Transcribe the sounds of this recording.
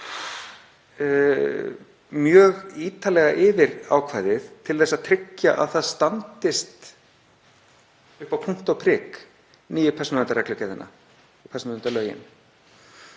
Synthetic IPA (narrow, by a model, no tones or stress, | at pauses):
mjœːɣiːt̪alɛɣaʔɪvɪɾa̰ːwkʰvaːjðɪθt̪ʰɪlθɛsaðt̪ʰɾɪcːaʔa̰ðθaðst̪ant̪ɪst̪ | ʏhpawpʰuŋ̥t̪awpʰɾɪːk | niːjɪpʰɛrsnnɛnt̪aɾɛklʏcaðɪnːa̰ | pʰɛsnʏnt̪alœːjɪ̰n